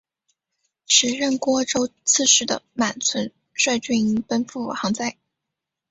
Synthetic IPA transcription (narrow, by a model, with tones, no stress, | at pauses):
ʂɻ̩˧˥ɻə˥˩nkwɔ˥ʈ͡ʂo˥ʊt͡sʰɹ̩˥˧ʂɻ̩˥˩d̪ə̰˩ma˨˩nt͡sʰwə˧˥n | ʂwa˥˧ɪt͡ɕy˥˩i˧˥ŋpə˥nfu˥˩˨xɑ˧˥ŋt͡sa˥˩ɪ